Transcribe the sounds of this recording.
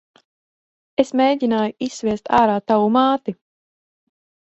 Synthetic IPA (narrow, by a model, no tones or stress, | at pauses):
esmeːɟʲinaːjuisːvʲiɛst̪aːɾaːt̪awumaːt̪i